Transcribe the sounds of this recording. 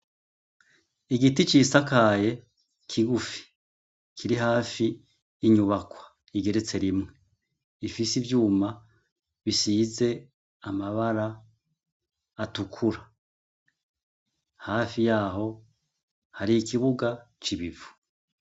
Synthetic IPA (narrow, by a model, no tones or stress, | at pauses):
iɡitit͡ʃiːsakaːje̞ | kʰiɡufi̥ | kʰiɾiɦaːfiː | ɲuβakwḁ | iɡe̞ɾe̞t͡se̞ɾimŋe̞ | ifisivjuːma | βisiːze̞ | amaβaɾa | tukʰuɾa | haːfijaːɦo̞ | haɾiikiβuɡat͡ʃiβivu̥